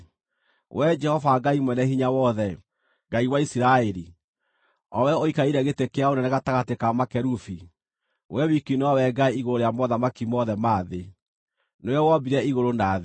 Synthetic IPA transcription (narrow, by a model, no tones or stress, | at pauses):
wʔɛd͡ʒɛhɔvaɡaimwɛnɛhiɲawɔðɛ | ɡaiwaisiɾaeɾi | ɔwɛoikaiɾɛɣetekeaonɛnɛɣataɣatekamakɛɾufi | wʔɛwikinɔwɛɡaiiɣoɾoɾejamɔðamakimɔðɛmaːðe | nojɔwɔbiɾɛiɣoɾonaðe